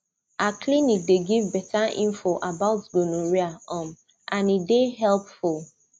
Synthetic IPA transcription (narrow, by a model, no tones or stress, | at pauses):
aklinik̚deɡivbɛtaḭ̃ɱfoʔabaʊtɡonoɹiaɔ̃m | ãnideɦɛlpful